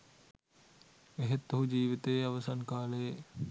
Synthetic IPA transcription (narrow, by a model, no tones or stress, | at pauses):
eɦet̪ːuɦud͡ʒiːʋit̪eːaʋəsankaːle